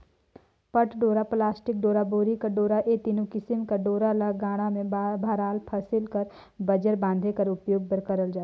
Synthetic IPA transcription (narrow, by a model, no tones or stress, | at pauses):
pəʈɖoːɾaplaːsʈɪk̚ɖoːɾaboːɾikaɖoːɾaʔet̪iːnokɪsɪmkaɖoːɾalaɡaːɽ̃amẽbbʱaːɾaːlpʰɐsɪlkəɾ | bɐd͡ʒəɾbãːnd̪ʱekɐɾʊpjoːɡ̚bəɾkəɾəld͡ʒaːt̪ː